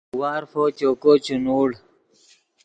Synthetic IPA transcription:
waːɾfoːt͡ɕoːkoːt͡ɕunuːɽ

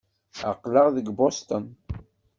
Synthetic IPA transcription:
əqːləʁðəɡbost̪ən

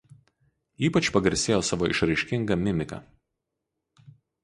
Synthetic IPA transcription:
iːpɐt͡ʃpɐɡɐɾʲsʲeːjoːsɑʋoːʔɪ̰ʃɾɐɪʃʲkʲɪŋɡɐmʲɪmʲɪkɐ̰

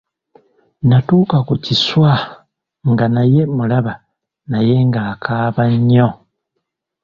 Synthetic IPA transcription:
natuːkakuciswa | ŋɡanaje̞mulaβa | naje̞ŋɡaːkʰaːβaɲːo

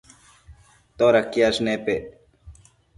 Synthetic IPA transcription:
t̪oːɾɐkːiasneːpe

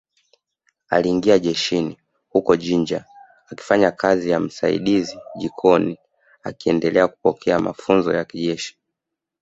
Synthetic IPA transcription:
a̰liːŋɡiaʄɛʃini | hukɔʄiɲd͡ʒa | aki̥faɲakazijam̩sa̰ḭɗiziʄikʰɔni | a̰kiɛndɛlɛaku̥pɔkʰɛama̰funzɔjakiʄɛʃi̥

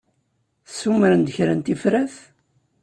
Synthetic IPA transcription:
θsːumɾənd̪əçɾənt̪ifɾæθ

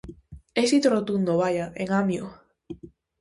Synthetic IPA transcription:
esit̪orot̪und̪oβajaʔeŋamjo

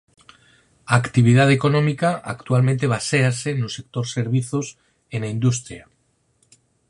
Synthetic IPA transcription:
akt̪iβ̞ið̞aðeko̞nomikaʔakt̪ualment̪e̞β̞asease̞nuse̞k̚t̪o̞ɾse̞ɾβ̞iθos | enaind̪ust̪ɾja

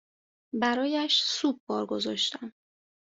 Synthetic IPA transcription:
bæɾɒːjæʃsub̚ːɒːɾɡo̞zɒʃt̪æm

